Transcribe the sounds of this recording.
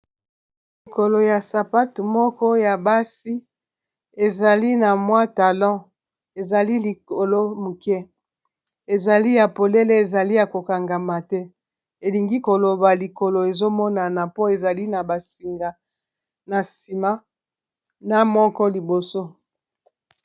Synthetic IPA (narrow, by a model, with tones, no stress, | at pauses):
li˨ko˨lo˨ja˨sa˨pa˦tu˨mɔ˦kɔ˦ja˨ba˦si˦ | e˨za˨li˦na˨mwa˦ta˨lɔ̃˦ | e˨za˨li˦li˨ko˨lo˦mu˨kɛ˦ | e˨za˨li˦ja˨po˨le˦le˦e˨za˨li˦ja˨ko˨ka˨ŋɡa˨ma˨tɛ˦ | e˨li˨ŋɡi˦ko˨lo˨ba˨li˨ko˨lo˨e˨zo˦mɔ˦na˨na˨po˦e˨za˨li˦na˨ba˨si˨ŋɡa˨ | na˨si˨ma˦ | na˦mɔ˦kɔ˦li˨bo˨so˦